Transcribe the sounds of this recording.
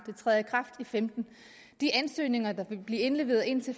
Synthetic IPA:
d̥e̝t͡sʰʁɛðˠjəkʰʁɑ̈fd̥ifemd̥n̩ | d̥iʔænsø̰ːne̝ŋɐd̥ɑ̈ʋe̝b̥liːe̝nle̝ʋe̝ːð̩ˠe̝nt͡sʰe̝

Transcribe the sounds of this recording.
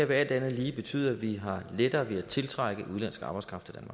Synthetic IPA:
eɐ̰ʋeæl̰d̥ænð̩ˠliːb̥e̝t͡sʰy̰ːð̰ˠɐæʋiɦɑ̈led̥ɐːʋe̝æt͡sʰe̝lt͡sʰʁɑ̈ɡ̥əð̩ˠʔuð̞ˠlænsɡ̥əɑ̈ːb̥ɑɪskʁɑ̈fd̥æd̥ænmɑ̥̈

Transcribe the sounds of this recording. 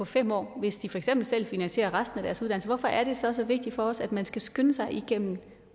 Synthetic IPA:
ɒ̽fem̰ɒ̰ːʋe̝sd̥ifɒ̽eɡsem̰b̥l̩sel̰finænɕe̝̰ːɐʁäsd̥n̩æɾ̥æɐsuð̥ˠænl̩səʋɒfɒ̽ʔæɐɾ̥e̝sɒ̽sɒ̽ʋe̝ɡ̥̚d̥ifɒ̽ɒsæd̥mænsɡ̥æsɡ̥ønəsɑ̈ɪʔiɡ̥en̰m̩

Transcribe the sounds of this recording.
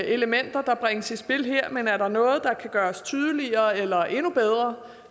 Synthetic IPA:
e̝ləmen̰d̥ɐd̥ɑ̈b̥ʁeŋəsisb̥e̝lɦeɐ̰menæɐɾɑ̈nɔ̽ːð̩ˠd̥ɑ̈kʰæɡ̥ɶːɐst͡sʰyːð̞ˠəliɐːelɐʔe̝nub̥eð̞ˠʁɐ

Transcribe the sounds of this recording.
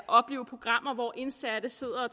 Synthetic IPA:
ʔɒ̽b̥le̝̰ːʊəpʰʁo̝ɡ̥ʁɑ̈m̰ɐʋɒʔe̝nsæɾ̥əe̝ð̞̰ˠɐɒ

